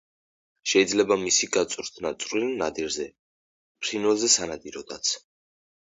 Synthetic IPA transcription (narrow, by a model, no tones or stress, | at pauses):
ʃɛid̪zlɛbamisiɡat̪sʼɾd̪ʰnat̪sʼɾinad̪iɾzɛ | pʰɾinwɛlˠzɛsanad̪iɾɔd̪at̪sʰ